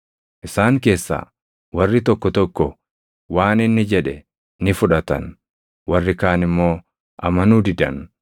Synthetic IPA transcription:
ʔɪsaːŋke̞ːsːa̰ː | wɐrːɪt̪ɔkːɔt̪ɔkːɔ | waːnɪnːɪd͡ʒɛᶑɛ | nɪfʊᶑɐt̪ɐ̰n | wɐrːɪkaːnɪmːo̞ː | ʔɐmɐnuːd̪ɪd̪ɐ̰n

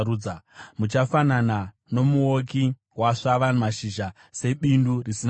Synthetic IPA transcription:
uːamut͡ʃafanana | no̞muoki | waʂaʋanmaʃiʒa | se̞ɓindurisin

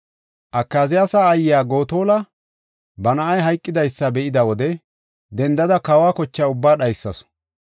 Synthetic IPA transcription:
ʔɐkːaːzɪjaːsaːjjaːɡo̞ːt̪o̞ːlɐ | bɐnɐʔɐjɦɐjkʼːɪd̪ɐjsːɐbɛʔɪd̪ɐwɔd̪ɛ | d̪ɛnd̪ɐd̪ɐkɐwaːkɔt͡ʃːaʊbːaːɗɐjsːɐ̰s

